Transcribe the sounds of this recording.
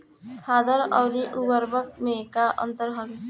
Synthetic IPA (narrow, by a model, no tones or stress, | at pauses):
kʰaːd̪əɾɔʊɾiʔubəɾbək̚mekaʔə̰̃nt̪əɾɦəɡ